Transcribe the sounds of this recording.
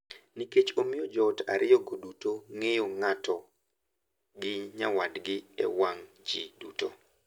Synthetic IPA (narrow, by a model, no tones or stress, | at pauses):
niket͡ʃomɪɔd͡ʒɔta̰ɾɪɔɡodutoŋejoŋatɔ | ɡɪɲawadɡɪɛ̰waŋ | d͡ʒiduto